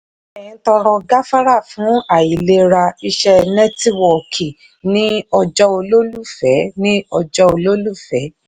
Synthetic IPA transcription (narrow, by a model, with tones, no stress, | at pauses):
ɛ̃˨˦tɔ˧ɾɔ˧ɡa˦fa˦ɾa˦˨fũ˨˦a˦˨ji˨le˧ɾa˧i˧ʃɛ˧nɛ̃˦ti˦wɔ˨kʰi˨ | nĩ˦ɔ˧d͡ʒɔ˧o˧lo˦lu˦˨fɛ˨˦nĩ˦ɔ˧d͡ʒɔ˧o˧lo˦lu˦˨fɛ˨˦